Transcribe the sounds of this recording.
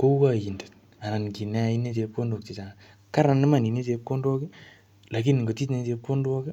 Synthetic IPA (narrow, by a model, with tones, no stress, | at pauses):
ko˦ka˦˨ji˨ndo̥˨t̚ | a˨na˨nki˨nɛ˦a˨˦i˦ne˦te˨˧p̚ko˦ndo˨k̚ti˨t͡ʃa˨a˨ | ka˦ɾa˨nːɪ˦ma˦˨ni˨ne˦te˨˧p̚ko˦ndwɔ˦ki˦ | la˨ki˦nŋɡo˨ti˦tne˦te˨˦p̚ko˦ndwɔ˦ki˦